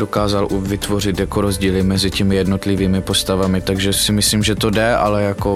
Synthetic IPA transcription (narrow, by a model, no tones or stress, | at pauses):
okaːzalʔuvɪt̪vo̞r̝ɪt̪jakoɾo̞zɟiːlɪmɛzɪcɛmɪjɛdno̞t̪lɪviːmɪpo̞st̪avamɪt̪aɡʒɛsɪmɪsliːmʒɛt̪o̞dɛʔa̰lɛjako